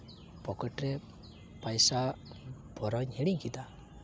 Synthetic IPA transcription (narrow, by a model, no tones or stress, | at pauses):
pɔkəʈɾɛ | pajsabʱɔɾɔɲeɽ̃iŋkid̪a